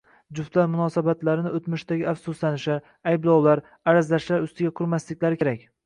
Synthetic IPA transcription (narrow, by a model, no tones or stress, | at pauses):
d͡ʒʊft̪laɾmʊnɒsabat̪laɾɪnɪot̪mʊʃt̪aɡʲɪafsʊslanɪʃɪ | ajblˠɒwlaɾ | aɾazlaʃlaɾʊst̪ɪɡʲaqʰʊɾmaslɪkʲlaɾɪkʰʲeɾakʲ